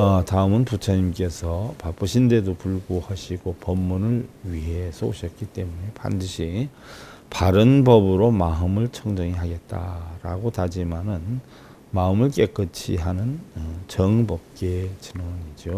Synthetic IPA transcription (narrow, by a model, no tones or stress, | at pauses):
ataɯmɯnput͡ɕʰaɲimk͈e̞sʰʌpap͈ɯɕʰinde̞dopuɭɡohʌɕʰiɡopʌmːunɯɭɥiɦe̞sʰoɕʰʌt̚k͈it͈e̞mune̞pa̰ndɯɕʰi | paɾɯnbʌbɯɾomaɯmɯɭt͡ɕʰʌŋd͡ʑʌŋiɦaɡe̞t̚t͈aɾaɡotad͡ʑimanɯn | maɯmɯɭk͈e̞k͈ɯt͡ɕʰḭɦanɯnt͡ɕʌŋbʌp̚k͈e̞t͡ɕinwʌɲid͡ʑo